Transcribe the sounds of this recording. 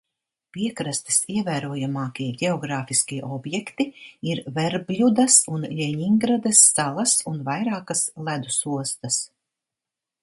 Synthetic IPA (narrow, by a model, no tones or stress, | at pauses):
piɛkɾast̪i̥siɛvæːɾuɔjamaːkʲiɛɟʲeɔɡɾaːfiskʲiɛʔɔbjɛkt̪iiɾvɛɾblʲud̪asunlʲɛɲiŋɡɾad̪ɐsːalˠɐsunvajɾaːkaslˠæd̪usuɔst̪ɐs